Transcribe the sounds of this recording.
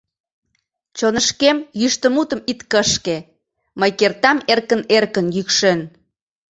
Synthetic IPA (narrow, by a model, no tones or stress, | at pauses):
t͡ɕonəʃkemjyʃt̪əmut̪əmit̪kəʃke | məjkert̪ɑmerkənerkənjykʃen